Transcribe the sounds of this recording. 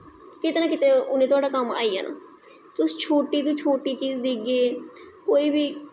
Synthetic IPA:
kɪt̪eːnãːkɪt̪eːʊnẽt̪ʊaːɖaːkəma̰ːiːɦa̰ːna̰ː | soʊst͡ʃʰoːʈiːt̪ũːt͡ʃʰoːʈiːt͡ʃiːzd̪iɡeːkoːiːbiː

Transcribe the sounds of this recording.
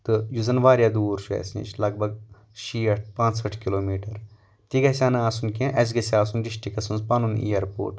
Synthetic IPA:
t̪ɨjuzɐnʋaːɾjaːd̪uːɾʃuɛ̰ːsnḭːt͡ʃʰlɐɡ̚bʱɐɡ̚ | ʃiːɐʈʰpãːt͡ʃsɐʈʰkiloːmiːʈɐɾ | t̪iɡɐsʲaːnɨaːsunkʲẽʔɐs̬ɡɐsiaːsunɖiʃʈikɐsɐnzpaːnunḭjɐɾpo̰ːʈ

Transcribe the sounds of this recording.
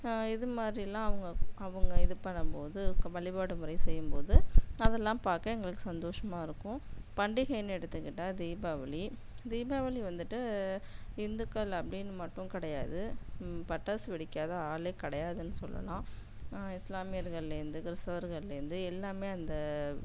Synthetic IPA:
ɪðɯmaːd̪ɾiɛlːãːɐʋɐŋɡɐɐʋɐŋɡɐɪðɯpɐɳːɐmpoːðɯʋɐɭɪbaːɽɯmʊɾɐɪsɛjːɯmpoːðɯɐðɛlːãːpaːɾkɐɛŋɡɐɭɯkːɯ̥sɐnd̪oːʂɐmaːɪɾɯkːʊ̃pɐɳɖiɣɐjnɛɽɯt̪ːɯkːɪʈːaːd̪iːbaːʋɐli | d̪iːbaːʋɐɭiʋɐnd̪ɯʈːɯ | ɪnd̪ɯkːɐlɐpːɐɽɪnːɯmɐʈːʊ̃kɪɽɐjaːðɯpɐʈːɐsʋɪɽɪkːaːðɐaːleːkɐɽɐjaːðɯnːɯsɔlːɐ̰lãː | ɪslaːmɪjɐɾɣɐɭɪlɛɾɯnd̪ɯkɪɾɪstɐʋɐɾɣɐɭɪlɪɾɯnd̪ɯɛlːaːmeːɐnd̪ɐ

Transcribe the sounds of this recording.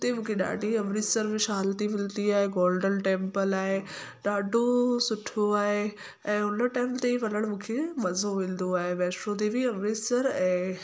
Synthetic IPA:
t̪emũːkʰeɗa̰ːɖʱiɐmɾisəɾbɪʃaɦalt̪imɪlt̪iaːɦeɡɔːlɖənʈẽːmpəlaːɦeɗaːɖʱosʊʈʰoaːɦe | ɛ̃ːʊnəʈaːɪmt̪eʋɐnəɽ̃mũːkʰemɐzoʋɪ̃ːld̪oaːɦeʋɛːsɾod̪ebiɐmɾiːsəɾɛ̃ː

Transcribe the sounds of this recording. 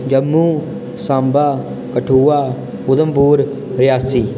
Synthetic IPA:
d͡ʒəmːuː | sãːmbaː | kəʈʰuːaː | ʊd̪əmpuːɾ | ɾɪjaːsiː

